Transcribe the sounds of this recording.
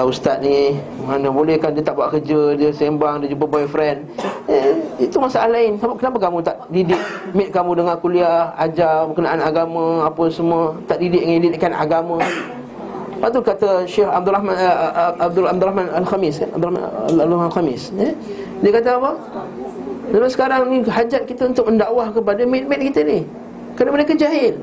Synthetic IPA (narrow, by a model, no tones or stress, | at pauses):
ust̪at̪̚ni | manəbolɛhkandiət̪aʔbuaʔkəd͡ʒədiəsembaŋdiəd͡ʒup̬əbaɛfɾɛn | it̪umasaʔahlaɪnsabaʔ̚kənapakamũt̪aʔdidɪk̚mɪt̪̚kamũdəŋankuliahad͡ʒabəkənaʔanaɡamãapəsəmuət̪aʔdidɪʔ̚ŋandidɪʔkana̰ɡamã | paʔt̪ukat̪aʃɛxab̚d̪uɾahma | b̚d̪ʊlab̚d̪uɾahmanalxamɪsa̰a̰b̚d̪ulahma̰alaalxamɪsə | diəkat̪̬aapə | lamasə̥kaɾaŋniɦad͡ʒat̪̚kit̪əunt̪ʊk̚məndaʔwahkəp̬adamɪt̪̚mɪt̪̚kit̪ənih | kanabəlakəd͡ʒaɦɪn